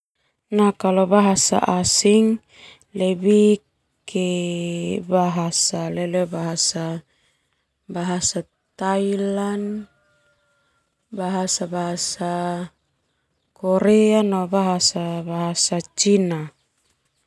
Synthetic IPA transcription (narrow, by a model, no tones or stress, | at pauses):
nakalobaɦasa̰ʔasiŋ | lɛbi | kʰe | baɦasalɛlobaɦasa | baɦasa | t̪ailan | baɦasabaɦasa | koɾɛanɔbaɦasabaɦasat͡ʃina